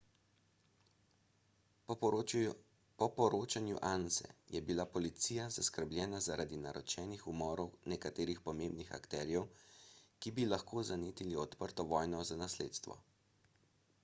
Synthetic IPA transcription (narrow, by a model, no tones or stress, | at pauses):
pɔpɔɾoːt͡ʃanjuʔansɛ̰jɛbilapɔlit̪siːjazaskəɾblʲjɛːnazaɾad̪inaɾɔt͡ʃɛːnixumɔːɾɔwnɛkat̪eːɾixpɔmeːmbnixa̰kt̪ɛːɾjɛwkibilaxkoːzaneːt̪iliɔt̪pəɾt̪ɔʋɔːjnɔzanasleːt̪st̪ʋɔ̰